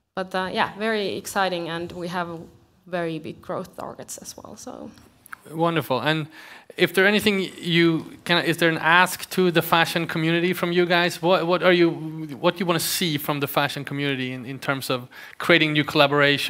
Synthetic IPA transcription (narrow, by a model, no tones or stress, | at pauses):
b̥ʌtʌjæ̰vɛɹiɪ̰ksaɪɾɪ̃ŋɨ̃nwiəv | vɛɹibɪ̰ɡ̚ɡɹo̰ʊθtʰɑ̰ɹɡɨtsɨz̥wɛ̰lˠsoʊ | wʌ̃ndə˞fl̩ˠə̃nɪfðə˞ɛñiθɪ̃ŋjɨkʰɨ̃nʔɪzðə˞ɨ̃nʔæsktʰəðɨfæʃɨ̃nkʰmjʉnɨɾifɹʌ̃mjɨɡaɪz̥wʌt̚wʌɾə˞jɨwʌt̚ɨwɑ̃nɨsifɹʌ̃mðɨfæʃɨ̃nkʰm̩jʉnɨɾiɨ̃nɪ̃ntʰɜ̃˞mz̥ʌv̥ | kʰɹ̥ieɪɾɪ̃ŋnjʉkʰəlæbə˞eɪʃ